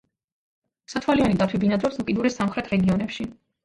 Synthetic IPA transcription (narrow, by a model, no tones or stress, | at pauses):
sat̪ʰwalianid̪at̪ʰwibinad̪ɾɔpsukʼid̪uɾɛsamχɾɛt̪ʰɾɛɡiɔnɛpʃi